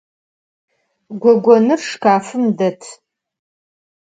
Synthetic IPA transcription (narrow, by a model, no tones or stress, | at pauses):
ɡʷɔɡʷɔnɨrʂkʰaːfɨmdɐtʰ